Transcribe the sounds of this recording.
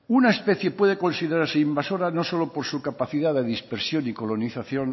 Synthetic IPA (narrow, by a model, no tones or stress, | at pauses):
unaespe̞θje̞pwe̞ð̞e̞ko̞nsiðeɾaɾseimbaso̞ɾano̞so̞lopo̞ɾsukapaθiðaðeðispeɾsjo̞niko̞lo̞niθaθjon